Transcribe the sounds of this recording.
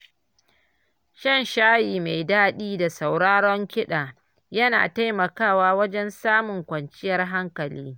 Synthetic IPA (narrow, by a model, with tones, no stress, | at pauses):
ʃɐ˦˨nʃaː˦jiː˨ma˨jdaː˦ɗiː˦da˨sa˨wɽaː˦ɽɔ˦ŋkʲɪ˦ɗaː˨ | jɐ˦na̰ː˨ta˦jmɐ˨kaː˦˨waː˦wɐ˦d͡ʒɛ˦nsaː˦mʊ˨ŋkʷɐ˨nt͡ʃɪ˦jɐ˨rɦa˦ŋkɐ˨lḭː˦